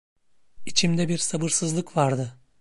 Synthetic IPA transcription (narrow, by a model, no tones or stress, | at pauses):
it͡ʃʰimd̪ɛbiɾsabɯɾsɯzlˠɯkvaɾd̪ɯ